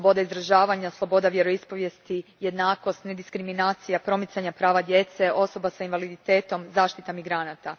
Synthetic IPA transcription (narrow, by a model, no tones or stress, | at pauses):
bo̞d̪aizɾaʒaːʋaɲaslˠo̞bo̞d̪aʋje̞ɾo̞ispo̞ʋje̞st̪ije̞d̪naːko̞st̪ne̞d̪iskɾiminaːt̪sijapɾo̞mit̪saɲapɾaːʋad̪je̞t̪se̞o̞so̞basainʋalid̪it̪e̞ːt̪o̞mzaːʃt̪it̪amiɡɾanat̪a